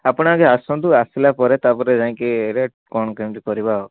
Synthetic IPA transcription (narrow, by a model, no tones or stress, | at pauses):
apɔɽ̃akeasɔ̃nt̪uasilapɔɾet̪apɔɾed͡ʒaĩŋkiɾe | kɔñɔkemʈikɔɾibaɦɔ